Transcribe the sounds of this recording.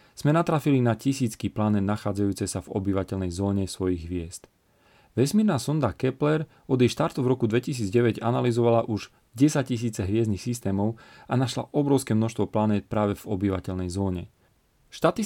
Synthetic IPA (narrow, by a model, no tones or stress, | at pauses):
z̥mɛnat̪ɾafilinacisiːt͡skiːplanɛnaxaːd͡zajuːt͡sɛsavɔ̰biʋacɛlnɛjzɔːɲɛsʋɔjiɣɦʋɪɛst̪ | ʋɛsmiːɾnaːsɔnd̪akɛplɛɾ | ɔd̪jɛjʃt̪aɾt̪uvɾɔkud̪ʋɛcis̬iːd͡zɟɛʋɛɟa̰nalizɔʋalaʔuʒ | ɟɛsac̚cis̬iːt͡sɛɦʋɪɛznixsist̪ɛːmɔʊanaʃla̰ʔɔbɾɔʊskɛːmnɔʃst̪ʋɔplanɛːt̪̚pɾaːʋɛvɔbiʋacɛʎnɛjzɔːɲɛ̰ | ʃt̪at̪i